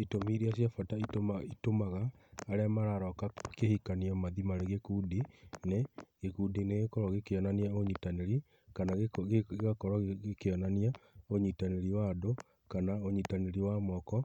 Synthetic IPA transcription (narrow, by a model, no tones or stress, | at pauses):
itomiɾiasjafataitomaitomaɣaːɾeamaɾaɾɔkakehikaniɔmaðimaɾeɣekudineɣekudineɣekɔɾɔɣekeɔnaniaoɲitaneɾi | kanaɣeɣeɣakɔɾɔɣekeɔnaniaoɲitaneɾiwado | kanaoɲitaneɾiwamɔkɔ